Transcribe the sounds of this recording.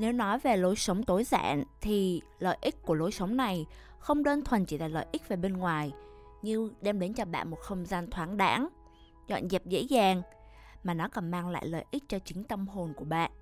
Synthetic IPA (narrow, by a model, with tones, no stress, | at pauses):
ne˨˦wnɔ˨˦jve˨˩lo˨˦jsə˨˦wŋ͡mt̪o˨˦jza̰ː˧˥˨nt̪ʰi˨˩ | lə̰ː˧˨jʔi˦˥k̚kːu˧˩əlo˨˦jsə˨˦wŋ͡mna˨˩j | xə˧wŋ͡mɗəː˧nt̪ʰwə˨˩nt͡ɕi˧˩laː˨˧˩lə̰ː˧˨jʔi˦˥k̚ve˨˩ɓe˧nŋwaː˨˩j | ɲɨ˧ɗɛ˧mɗe˨˦nt͡ɕɔ˧ɓa̰ː˧˨nmo˨˩t̚xə˧wŋ͡mzaː˧nt̪ʰwaː˨˦ŋɗa̰ː˨˦ŋ | zɔ̰˧˨nzɛ˨˩p̚zḛ˧˥zaː˨˩ŋ | maː˨˩nɔ˨˦kɔ˨˩nmaː˧ŋla̰ː˧˨jlə̰ː˨jʔï˦˥k̚t͡ɕɔ˧t͡ɕï˨˦ŋ̟t̪ə˧mɦo˨˩nku˧˩əɓa̰ː˧˨ʔ